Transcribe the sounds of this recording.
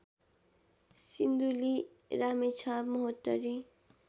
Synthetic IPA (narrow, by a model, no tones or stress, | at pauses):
sind̪uli | ɾaːmet͡ʃʰaːbmuɦot̪ːəɾi